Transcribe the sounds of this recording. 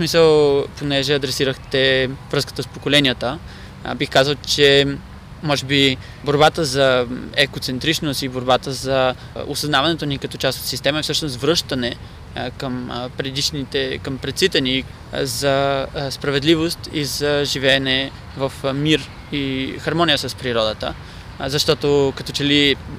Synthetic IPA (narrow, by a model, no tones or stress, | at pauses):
smisəlˠponɛʒɛɐd̪ɾɛsiɾəxt̪ɛvɾɤskə̥t̪əspokolɛnijət̪ə | bixkazəlˠt͡ʃɛ | mɔʒɛbi | boɾbat̪əzɐɛkot̪sɛnt̪ɾit͡ʃnost̪iboɾbat̪əzɐ | o̰sɐznavɐnɛt̪onikɐt̪ɔt͡ʃast̪ot̪sist̪ɛmɐɛfsɤʃnost̪vɾɤʃt̪ənɛ | kəmpɾɛd̪iʃnit̪ɛkəmpɾɛt̪sit̪ɛni | zɐspɾɐvɛd̪livost̪izɐʒivɛːnɛ | vɐfmiɾ | ixɐɾmɔnijəsəspɾiɾɔd̪ət̪ə̰ | zɐʃt̪ɔt̪okɐt̪ɔt͡ʃɛli